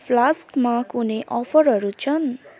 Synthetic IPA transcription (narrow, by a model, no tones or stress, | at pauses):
pʰlaskmakuneʔʌpʰʌɾɦʌɾut͡sʰʌn